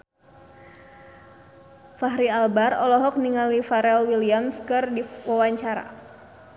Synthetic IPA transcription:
faɦɾialbarɔlɔɦɔk̚niŋalifaɾɛlwiliamskɨrdiwawaɲt͡ʃaɾa̰

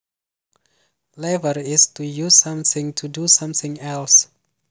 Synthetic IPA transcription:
lɛvəɹɪstujusːãmθɪ̃ŋtʰudusãmθɪ̃ŋɛls

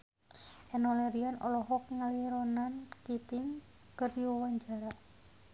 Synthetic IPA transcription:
ʔɛnɔlɛɾianɔ̰lɔɦɔkŋaliɾɔnankit̪iŋ | kəriɔwaɲd͡ʒaɾaʔ

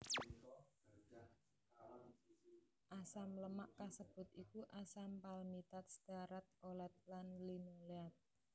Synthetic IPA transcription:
ʔasamləmaʔkasəb̥ʊ̤t̪̚ikuʔasampalmit̪at̪̚sd̪̥aɾat̪̚olat̪̚lanlinuleat̪̚

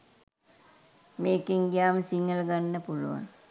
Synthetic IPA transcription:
meːkiŋɡijaːmsiŋːɐlɡanːəpuluʋa̰n

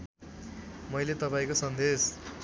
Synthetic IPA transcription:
mʌjlet̪ʌpaĩkosʌnd̪es

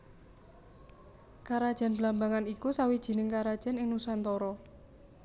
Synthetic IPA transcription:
kaɾad̥ʒ̥a̤nblambaŋanikusawid̥ʒ̥i̤nɪŋkaɾad̥ʒ̥a̤nɪŋnusant̪ɔɾɔ

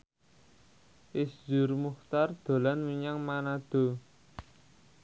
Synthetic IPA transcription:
ʔɪsd͡ʒʊ̤rmuχt̪ard̪̥o̤lanwiɲaŋmanad̪̥o̤

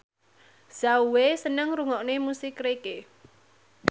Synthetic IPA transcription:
z̥auwesənəŋɾuŋɔʔnemusɪkɾeke

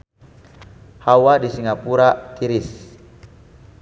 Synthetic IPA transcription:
hawadisiŋapuɾat̪iɾis

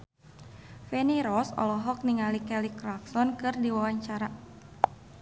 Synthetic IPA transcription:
fɛniɾɔsɔ̰lɔɦɔk̚niŋalikɛlikɾaksɔnkɨrdiwawaɲt͡ʃaɾa

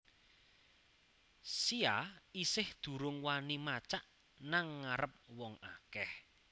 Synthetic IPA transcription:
siaisɪhd̪̥ṳɾʊŋwanimat͡ʃaʔ | naŋːaɾəp̚wɔŋakɛh

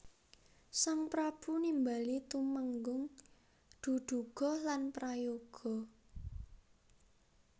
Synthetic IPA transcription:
saŋpɾab̥ṳnimbalit̪uməŋɡʊŋ | d̪̥ṳɖ̪̥ṳɡ̥ɔ̤lanpɾajoɡ̥ɔ̤

